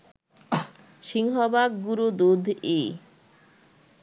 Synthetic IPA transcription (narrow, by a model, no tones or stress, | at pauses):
ʃiŋɦɔbaɡːuɾud̪ud̪ʱe